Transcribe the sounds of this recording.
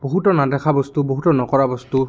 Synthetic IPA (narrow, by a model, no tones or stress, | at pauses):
b̥oɦutɔnadɛkʰabɔst̪uboɦutɔnɔkɔɹabɔst̪u